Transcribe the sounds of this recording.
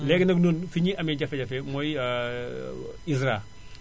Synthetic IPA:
lɛːɡnɐknoːnfiɲiʔɐmɛɟɐfɛɟɐfɛmɔj | is̬ɾa

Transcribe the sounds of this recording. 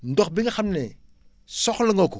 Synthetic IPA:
ndɔxbiŋxamnɛ | sɔxləŋoku

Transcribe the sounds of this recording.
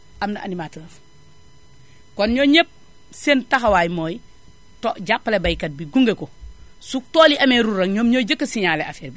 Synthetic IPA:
ʔamnaʔa̰nimatlaf | kɔnɲoɲep̚ | sentaxawaːjimoːji | toʔɟapːlebajkɐt̚biɡuŋɡeko | suk̚toːliʔɐmeɾuɾɐŋɲoːmɲoɟəkːɐsiɲaleafeɾbi

